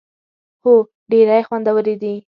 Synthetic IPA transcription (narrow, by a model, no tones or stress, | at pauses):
ho | ɖeɾajxwand̪awəɾed̪i